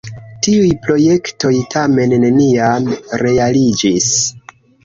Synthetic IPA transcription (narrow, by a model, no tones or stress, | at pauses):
tiujpɾo̞je̞kto̞jtʰame̞nːeniamɾe̞alid͡ʒis